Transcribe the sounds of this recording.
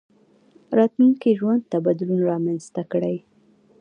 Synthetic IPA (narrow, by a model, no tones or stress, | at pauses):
ɾɑt̪luŋkiʒwand̪̚t̪abɑd̪ʊlunaɾɑmanzt̪akɽəj